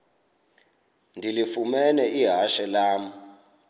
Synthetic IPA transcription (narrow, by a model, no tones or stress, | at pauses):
ndʱilifumɛnɛʔiɦaʃɛlaːm̩